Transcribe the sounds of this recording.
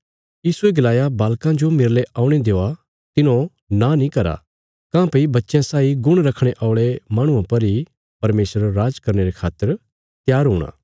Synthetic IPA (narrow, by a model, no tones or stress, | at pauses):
jiːsueɡɐlaːjabaːlkãd͡ʒomɪɾleʔaːʊ̃ɽ̃ed̪eːa | t̪ɪnõ | nãnĩkɐɾa̰ | kãːpɐibɐtːʃjãsaːiɡʊɽ̃ɾɐkʰɽ̃eʔaːʊɭemãːɽ̃ʊ̃ãpɐɾi | pɐɾmeːsəɾɾaːd͡ʒkɐɾñeɾekʰaːt̪ːəɾ | t̪jaːɾɦʊːɽ̃ã̰ː